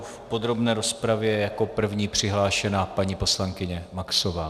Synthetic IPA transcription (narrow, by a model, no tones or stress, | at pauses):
fpo̞d̪ɾo̞bnɛːɾo̞spɾavjɛjako̞pr̩vɲiːpr̝̥ɪɦlaːʃɛnapaɲipo̞slaŋkɪɲɛmaksovaː